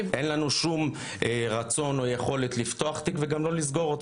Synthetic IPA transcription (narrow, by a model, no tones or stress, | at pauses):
ʔenlanuʃum | ʁat͡so̞nojeχo̞le̞t̪lift̪o̞aχt̪ikveɡamlo̞lizɡo̞ʁot̪